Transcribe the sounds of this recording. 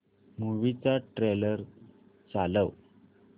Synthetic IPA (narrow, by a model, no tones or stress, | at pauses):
muʋit͡saʈɾeləɾ | t͡saləʋ